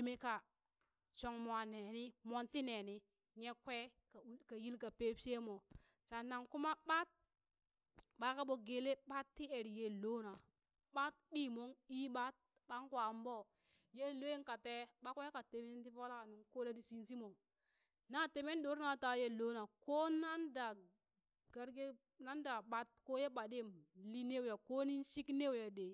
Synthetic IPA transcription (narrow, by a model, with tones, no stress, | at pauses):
e˨me˦ka˨ | t͡ʃo˨ŋmo˨a˨ne˨ni˦mo˦nti˦ne˨ni˦ | ɲe˦kwe˦ka˨˦ka˨ji˦lka˨pe˦pʲe˦mo˨ | t͡ʃa˨na˨ŋku˦ma˦ɓa˦t̚ | ɓa˦ka˦ɓo˨ɡe˨le˦ɓa˦tːi˦e˨ɾje˦lo˦na˨ | ɓa˦t̚ɓiː˦mo˦ŋi˦ɓa˦t̚ | ɓa˦ŋkwa˨mbo˦ | je˦˨lo˦je˦ŋka˨te˦ɓa˦ko˦je˦ka˨te˨me˦nti˦po˦la˦ka˨nu˨ŋko˦la˦di˦si˦nsi˦mo˨ | na˦˨te˨me˦ndo˨˦ɾna˨˦ta˨˦je˦˨lo˦na˨ko˦na˦nda˨ | ɡa˨ɾɡe˦ | na˦nda˨ɓa˦t̚ko˦je˦ɓa˨de˦˨mli˦ne˦wja˨ko˦ni˦nʃi˦kne˦wja˨de˨